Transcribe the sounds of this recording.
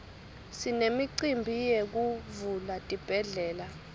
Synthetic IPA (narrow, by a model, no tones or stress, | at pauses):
sinemiǀimbʱijek̬uvulatʼib̥ʱɛɮɛːla